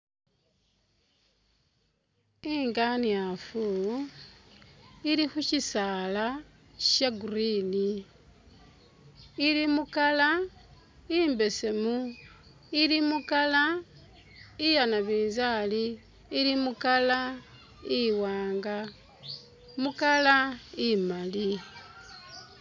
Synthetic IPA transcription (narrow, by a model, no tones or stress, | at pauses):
iŋɡaniafu | iɾixuʃisala | ʃaɡuɾini | limukala | iːmbe̞se̞mu | ilimukala | ijanaβiːnzaliː | limukala | iwaːŋɡa | mukalaimali